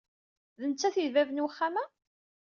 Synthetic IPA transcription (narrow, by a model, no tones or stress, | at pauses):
ðənt͡sːæθivævənwəχːamæ